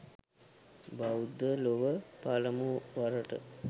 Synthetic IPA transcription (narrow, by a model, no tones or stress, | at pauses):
baud̪əloʋəpaləmuʋaɾəʈə̰